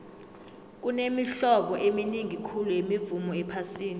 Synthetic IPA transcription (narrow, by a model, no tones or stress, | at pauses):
k̬ʼunemiɬɔɓɔʔeminiŋikʰulujemivumɔɛpʰasiːni